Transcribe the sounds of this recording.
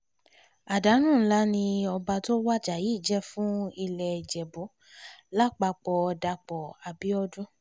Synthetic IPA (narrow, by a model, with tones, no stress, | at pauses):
a˨da˨˦nũ˦˨n̩˦la˦nĩ˧ɔ˧ba˧to˦wa˦d͡ʒa˨ji˨˦˨d͡ʒɛ˦fũ˦i˧lɛ˧˨d͡ʒɛ˨bo˨˦ | la˦˨k͡pa˧k͡pɔ˧da˧k͡pɔ˨a˨bi˨˦ɔ˧dũ˦